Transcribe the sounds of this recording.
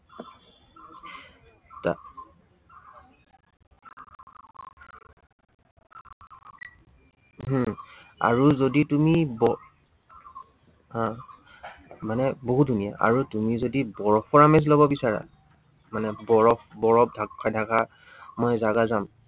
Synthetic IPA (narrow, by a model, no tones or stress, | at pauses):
ta̰ | a̰ɹuzoditumibɔ | ã | manɛboɦut̚dʱunija̰ʔa̰ɹutumizodibɔɹɔpɔɹamezlobɔbisaɹa̰ | manɛbɔɹɔpbɔɹɔb̚dʱakʰajdʱaɡa | mɔjzaɡazam